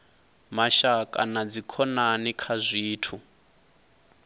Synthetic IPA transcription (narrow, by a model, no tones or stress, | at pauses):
maʃakʼanad͡zikʰɔnanikʰazʷiːtʰu